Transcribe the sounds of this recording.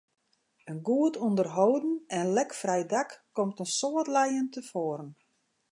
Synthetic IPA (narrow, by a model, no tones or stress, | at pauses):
ənɡuətɔndərɦoːdn̩ɛnlɛkfrɛjdakːɔmtənsoətlɛjəntəfoːɾən